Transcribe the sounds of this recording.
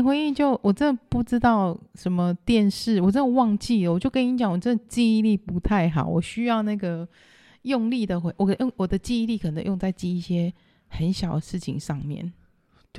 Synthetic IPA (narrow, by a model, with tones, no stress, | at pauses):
nxwe˧˥ɪi˥˧t͡ɕjo˥˩ʊwʔɔ˨˩ʈ͡ʂə˥nd̪ə˨˩pu˥˩ʈ͡ʂɻ̩˥t̪ɑ˥˩ʊʂə˧˦nmə˧t̪jɛ˥˧nʂɻ̩˥˩wɔ˨˩ʈ͡ʂə˥nd̪ə˨˩wɑ˥˧ŋt͡ɕi˥˩lə˩wɔ˨˩t͡ɕjo˥˩ʊkə˥ni˧˥t͡ɕjɑ˨˦ŋwɔ˨˩ʈ͡ʂə˥nd̪ə˩t͡ɕi˥˧i˥˧li˥˩pu˧˥t̪ʰa˥˩ɪxɑ˨˦ʊwɔ˨˩ɕy˥jɑ˥˧ʊna˥˩ɡə˩ | jo˥˧ŋli˥˩d̪ə˩xwe˧wɔ˨˩o˥˩ŋwɔ˨˩d̪ə˦t͡ɕi˥˧i˥˧li˥˩kʰə˨˩nə˧˦ŋjo˥˧ŋt͡sa˥˩ɪt͡ɕi˥i˥˩ɕjɛ˥ | hə˧˦nɕjɑ˨˩ʊd̪ə˦ʂɻ̩˥˩t͡ɕʰḭ˨ŋʂɑ˥˧ŋmjɛ̰˥˨˩n